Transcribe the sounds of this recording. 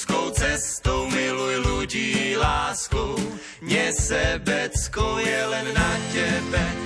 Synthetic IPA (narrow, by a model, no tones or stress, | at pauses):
kowt͡sɛst̪owmɪlujluɟiːlaːskow | mɲɛsɛbɛt͡skojɛlɛnːacɛbɛ